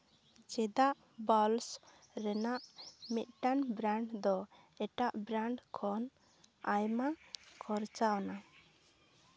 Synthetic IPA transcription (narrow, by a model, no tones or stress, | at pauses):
d͡ʒɛd̪aʔ | bɔls | ɾɛnaʔmit̪̚ˀʈanbɾaɳɖd̪ɔ | ɛʈaʔbɾaɳɖkʰɔn | ajmakʰɔɾt͡ʃaɔna